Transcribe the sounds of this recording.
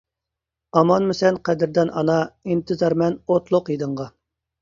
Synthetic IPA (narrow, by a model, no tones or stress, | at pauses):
ɑmɑnmɪsɛnqʰɛd̪ɪɾd̪ɛnʔɑ̰nɑint̪ʰɨzɑɾmɛnot̪lˠʊqjid̪ɨɴʁɑ